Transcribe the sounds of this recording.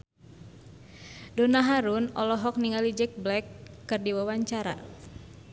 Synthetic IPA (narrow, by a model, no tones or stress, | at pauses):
dɔnaɦaɾunɔlɔɦɔk̚niŋalid͡ʒɛk̚blɛkːɨrdiwawaɲt͡ʃaɾa̰